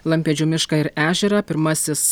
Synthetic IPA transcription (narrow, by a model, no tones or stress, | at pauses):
lˠɐmʲpʲɛd͡ʒʲuːmʲɪʃkɐɪɾæːʒʲɛɾɐpʲɪɾmɐsʲɪs